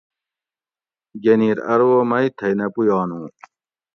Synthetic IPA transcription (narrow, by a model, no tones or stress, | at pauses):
ɡeniːɾɐ̰ɾwoːmɐit̪ʰɐjnɐpujɑːnũː